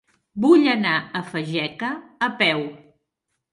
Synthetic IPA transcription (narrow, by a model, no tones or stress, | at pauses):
buʎənaəfəʒɛkəːpɛw